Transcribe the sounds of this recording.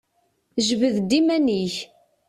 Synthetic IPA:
ʒvəðd̪imæniç

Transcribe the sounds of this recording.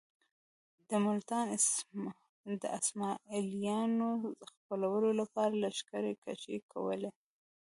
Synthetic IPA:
d̪əmʊlt̪ɑn | d̪ə̰ʔasmɑilijɑnoxpəlawəlolapɑɾalaʃkaɾeka̰t͡ʃekʰa̰wəle

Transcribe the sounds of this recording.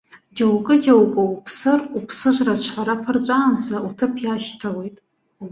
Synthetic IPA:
d͡ʒowkʼɨd͡ʒowkʼoupʰsɨrupʰsɨʒʷrat͡ʃʷʰħʷaɾapʰart͡ʃʷʼaːnt͡sʰautʰɨpʰjaʃtʰawe̞jtʼ

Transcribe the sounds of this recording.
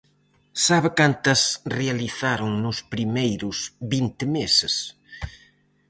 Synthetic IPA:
saβɪkant̪ɐsrealiθaɾʊŋnʊspɾimejɾʊsβint̪ɪmesɪs

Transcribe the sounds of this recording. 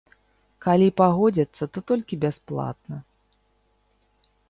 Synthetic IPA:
kalʲipaɣɔd͡zʲɐt̪sːɐt̪ɔt̪ɔlʲkʲibʲasplˠa̰t̪̚nɐ

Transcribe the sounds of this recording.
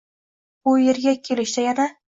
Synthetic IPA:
bʊjeɾɡʲakʲʰelɪʃt̪ajana

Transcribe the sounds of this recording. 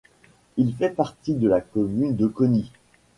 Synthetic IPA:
ilfɛpaʁt̪id̪əlakɔmynd̪əkɔni

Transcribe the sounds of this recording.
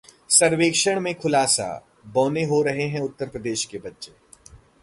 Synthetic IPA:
sɐɾʋeːkʃəɽ̃mẽkʰʊlaːsa̰ | bɔ̃ːneɦoɾɐɦeɦɛ̃ʊt̪ːəɾpɾəd̪eːʃkebɐtːʃeː

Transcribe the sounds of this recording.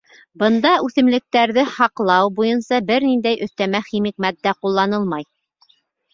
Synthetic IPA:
bɤ̆nd̪ɑʉθɘ̆mlɘ̆k̚t̪æɾðɘhɑqlˠɑwbujɤnsɑbɘɾnind̪æjʔɵ̆θt̪æmæχimik̚mæt̪̚ːæqulˠːɑnɤlˠmɑj

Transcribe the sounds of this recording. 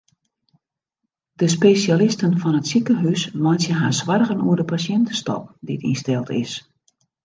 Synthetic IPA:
d̥əspesjalɪstənfɔnətsikəɦysmɔjsjəɦaːsʋarɣənuərdəpasjɛntəstɔ̰pdiətḭnstɛlˠtɪ̰s

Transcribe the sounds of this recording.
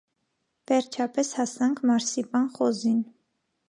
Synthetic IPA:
vɛɾt͡ʃʰɑpɛshɑsɑŋkʰmɑɾsipɑnχɔzin

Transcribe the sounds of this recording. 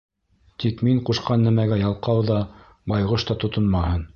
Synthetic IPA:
t̪ikmiɴquʃqɑnːæmæɡæjɑlˠqɑwðɑ | bɑjʁɤʃt̪ɑt̪ŏt̪onmɑhɤn

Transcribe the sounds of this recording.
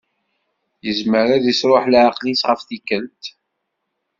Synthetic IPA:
jəzməɾæðisɾoħlʕaqlisʁəfθikːənt̪

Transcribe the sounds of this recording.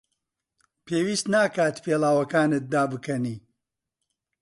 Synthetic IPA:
pʰeːwiːst̪naːkaːt̪pʰeːlaːwɐkaːnɨt̪̚d̪aːbɨkɐniː

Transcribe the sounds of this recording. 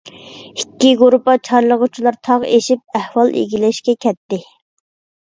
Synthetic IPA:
ikʲːiɡuɾupɑt͡ʃʰɑɾlˠəʁʊt͡ʃʰilˠɑɾt̪ʰɑʁeʃip̚æhwɑlˠḛɡʲilɛʃkʲɛkʲʰɛt̪ːɪ

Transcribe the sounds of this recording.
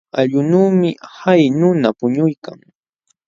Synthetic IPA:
aʎʊnuːmɪhajnʊnapʊɲʊjka̰ŋ

